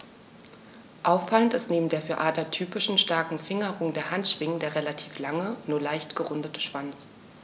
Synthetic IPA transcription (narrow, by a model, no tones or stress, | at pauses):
ʔaʊfːaləntɪstneːbm̩deːɐfyːɐʔaːtɐtʰyːpɪʃn̩ʃtaɐkŋ̩fɪŋəʁʊŋdeːɐhantʃv̥ɪŋəndeːɐʁelatʰiːflaŋənuːɐlaɪçtɡ̥əʁʊndətʰə̥ʃv̥ant͡s